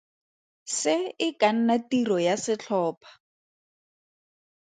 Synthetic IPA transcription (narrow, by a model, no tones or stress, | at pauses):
sɪɪkan̩natirɔjasɪt͡ɬʰɔːpʰḁ